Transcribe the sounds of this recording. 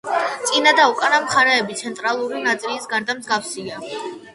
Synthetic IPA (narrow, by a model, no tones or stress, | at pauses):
t̪sʼinad̪aukʼanamχaɾɛɛbit̪sʰɛnt̪ʼɾalˠuɾinat̪sʼilisɡaɾd̪amzɡafsia